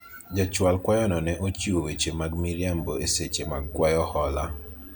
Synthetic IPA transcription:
d͡ʒat͡ʃwalkwajɔnɔnɛʔot͡ʃiwowet͡ʃemaɡmiɾjamboeset͡ʃemaɡ̚kwajɔhɔla

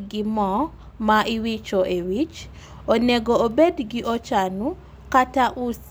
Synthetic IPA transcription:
ɡɪmɔ | maʔiwit͡ʃoʔewit͡ʃ | oneɡoːbedɡɪʔot͡ʃanu | kataʔus

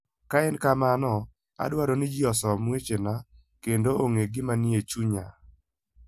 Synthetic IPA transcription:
kaɛnkamanɔ | a̰dwaɾɔnɪd͡ʒɪɔsɔmwet͡ʃena | kendooŋeɡɪmanɪet͡ʃuɲa

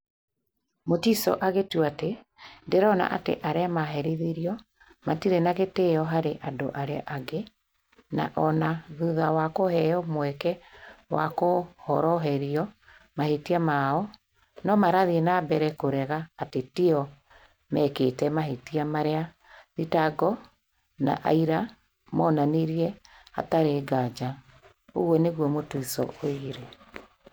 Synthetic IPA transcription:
motisɔ̰ʔaɣetuate | ndeɾɔna̰ʔatḛʔaɾeamaɦɛɾiðeɾiɔ | matiɾenaɣeteɔɦaɾeʔando̰ʔaɾeaʔaɡe | na̰ʔɔnaðuðawakohɛɔmwɛkɛwʔa̰kohɔ̰ɾɔɦɛɾiɔ | mahetiamaɔ | nɔmaɾaðienabɛɾɛkoɾɛɣaːtetiɔ | mɛketɛmaɦetiamaɾea | ðitaɡɔ | na̰ʔa̰iɾa | mɔnaniɾiɛ | a̰taɾeɡad͡ʒa | o̰ɣwɔneɣwɔmotuisɔ̰oiɾe

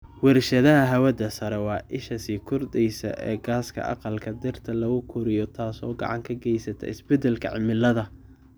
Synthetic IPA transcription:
wɛrʃɐðɐɦɐɦɐwɐd̪ɐsɐɾɛwɑːʔɪʃɐsiːkʰʊrd̪ɛjsɐ̰ʔɛ̰ːɡaːskʰɐ̰ʔɑ̰qɑlkʰɐd̪ɛrt̪ʰɐlɐɣʊkʰʊɾɪjɔt̪ʰaːsɔːɡɑ̰ʕɑ̰ŋkʰɐɡɛjsɐt̪ʰɛ̰ɪsbɛd̪ɛlkʰɐ̰ʕɪmɪlːɐðɐ

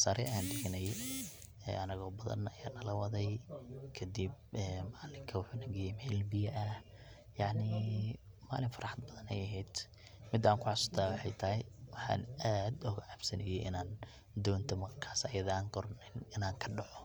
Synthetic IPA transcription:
saɾɛʔɐjaːnd̪ɪɣɐnɐjɛ | ɛ̰ːɐnɐɣɔːbɐðɐ̰nɐjaːnɐlɐwɐðɛjkʰɐd̪ib̚ɛːmaːlɪŋkʰɐwʊħuːnɐɡɛjɛmɛːlbɪjɐʔɐ | jɑʕnɪ | ma̰ːlɪnfɐɾʔɑħɑd̪̚bɐðɐnɛ̰jɐɦɛjd̪̥ | mɪd̪aːŋkʰʊʕɑsʊ̥t̪ʰaːwɑħɑjt̪ʰɐɦɪwɑħɑ̰ːnaːd̪ʊɣʕabsɐnɛjɛʔɪ̰naːn | d̪ɔːnt̪ʰɔmɐrkʰaːsɐjɐðaːŋɡɔɾnɪnɪnaːŋkʰɐɖɑʕɔ

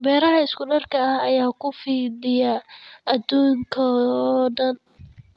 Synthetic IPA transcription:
bɛːɾɐɦɐɪskʊɖɐrkʰɐhɐjaːkʰʊfiːðɪjɐɐd̪uːŋkʰɐdɐn

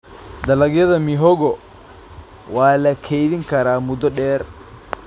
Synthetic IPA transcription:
d̪ɐlɐɡjɐðɐmɪɦɔɣɔ | waːlɐkʰɛjðɪŋkʰɐɾaːmʊd̪ɔɖɛːr

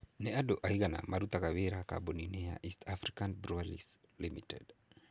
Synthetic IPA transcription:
nɛaɗɔʔaiɡana̰maɾut̪akaβeɾaka̰bɔninɛa̰ʔistʰafɾikanbɾualḭs | limitɛd

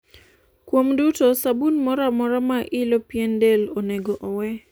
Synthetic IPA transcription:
kwomdutosabunmɔɾamɔɾamaʔɪlopjendelɔnɛɡɔʔɔwɛ

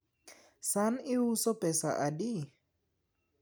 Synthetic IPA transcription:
saniwusɔpʼɛsa̰ʔaɗi

